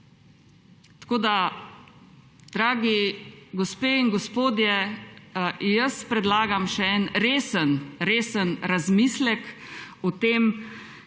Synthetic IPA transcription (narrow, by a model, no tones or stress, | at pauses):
t̪koːd̪a | d̪̥ɾaːɡiɡɔspeːiŋɡɔspoːd̪jɛ | jəspɾɛd̪laːɡamʃɛɛnɾeːsənɾeːsənɾazmiːslɛkut̪eːm